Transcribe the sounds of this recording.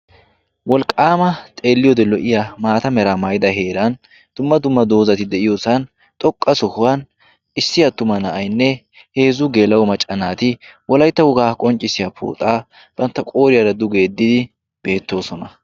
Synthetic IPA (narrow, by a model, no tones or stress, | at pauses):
wɔlkʼːaːmɐt̪ʼe̞ːlːɪjod̪ɛlɔʔɪjamaːt̪ɐmɛɾamɐjd̪ɐɦe̞ːɾɐn | d̪̥ʊmːɐd̪ʊmːɐd̪o̞ːzɐt̪ɪd̪ɛʔɪjo̞ːsɐn | t̪ʼɔkʼːɐsɔhʊwɐn | ɪsːɪjɐt̪ːʊmɐnɐʔɐjnːɛ | he̞ːzʊɡe̞ːlɐwɔmɐt͡ʃʼːɐnaːt̪ɪwɔlɐjt̪ːɐhʊɡaːkʼɔnt͡ʃʼːɪsɪjapʰṵːt̪ʼaː | b̥ɐnt̪ːɐkʼo̞ːɾɪjɐɾɐd̪ʊɡe̞ːd̪ːɪd̪ɪ | b̥e̞ːt̪ːo̞ːsɔnɐ